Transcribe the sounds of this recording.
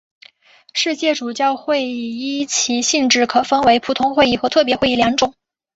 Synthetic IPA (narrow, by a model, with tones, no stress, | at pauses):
ʂɻ̩˥˧t͡ɕjɛ˥˩ʈ͡ʂu˨˩t͡ɕjɑ˥˧ʊxwe˥˩ɪi˥˩t͡ɕʰi˧˥ɕi˥˧ŋʈ͡ʂɻ̩˥˩kʰɤ˨˩fə˥nwe˧˥ɪpʰu˨˩t̪ʰʊ˧˥ŋxwe˥˧ɪi˥˩xɤ˧˥t̪ʰɤ˥˩p̬jɛ˧˥xwe˥˧i˥˩ljɑ˧˥ŋʈ͡ʂʊ˨˩˦ŋ